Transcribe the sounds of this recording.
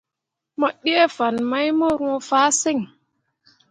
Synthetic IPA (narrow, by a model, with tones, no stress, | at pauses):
mɔ˨ɗi˦e˦fa˨nma˦jmo˦ɾũ˦o˦faː˦se˦˨ŋ